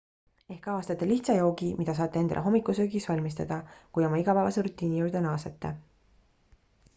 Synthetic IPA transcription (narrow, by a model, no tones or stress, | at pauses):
e̞hkɑːst̪ɑt̪ːˑeliçt̪sɑjo̞ːɡimid̪̥ɑs̬ɑːt̪ːˑee̞nd̪ɑ̰leɦo̞mːikːˑusøɡisvɑlʲmist̪ɑd̪̥ɑkujo̞mɑiɡ̥ɑpæːvɑseɾut̪ːˑiːnijuwɾd̪̥enɑːset̪ːe